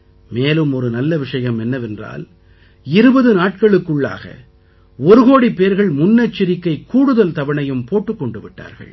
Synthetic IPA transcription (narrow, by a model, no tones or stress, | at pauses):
meːlɯmɔɾɯnɐlːɐʋɪʂɐjɐmɛnːɐʋɛndra̰ːl | ɪɾɯbɐðɯnaːʈ̚kɐɭɯkːɯɭːa̰ːɣɐ̰ | ɔɾɯɣoːɽipːeːɾɣɐɭmʊnːɐt͡ʃːɪɾɪkːɐɪkːuːɽɯðɐlt̪ɐʋɐɳɐjɯmpoːʈːɯkːɔɳɖɯʋɪʈːa̰ːɾɣɐ̰ɭ